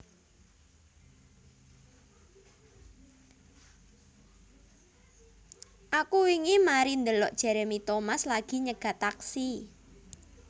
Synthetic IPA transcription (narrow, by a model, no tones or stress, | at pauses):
ʔakuiŋimaɾind̪əlɔʔd̥ʒ̥ɛ̤ɾemit̪omaslaɡ̥i̤ɲəɡ̥a̤t̪aksi